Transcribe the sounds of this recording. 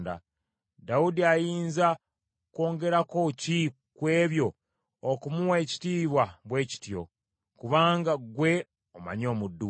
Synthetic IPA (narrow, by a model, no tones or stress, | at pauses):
nda̰ | daudiajiːnza | ko̞ːŋɡe̞ɾako̞ci | kwe̞ːβjo̞ | okumuwe̞ci̥tiːβwaβwe̞ːci̥tjo̞̰ | kuβaːŋɡaɡwe̞ | oma̰ɲo̞ːmudːu